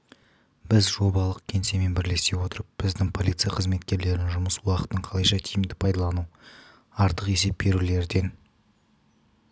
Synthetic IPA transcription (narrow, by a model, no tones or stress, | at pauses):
b̥ɪzʒo̞bɑlˠəqkʲʰe̞nse̞me̞nbɪɾle̞st̪e̞wo̞t̪əɾəp̚b̥ɪzd̪ɪŋpʰo̞lʲˠit̪sɨjaqʰəzme̞t̪kʲe̞ɾle̞ɾɪnʒʊməswɑqə̥t̪ːəɴqʰɑlˠɑjʃɑt̪ʰijɪmd̪ɪpʰɑjd̪ɑlˠɑnu | ɑɾt̪əqe̞s̬e̞p̚be̞ɾule̞ɾɪd̪e̞n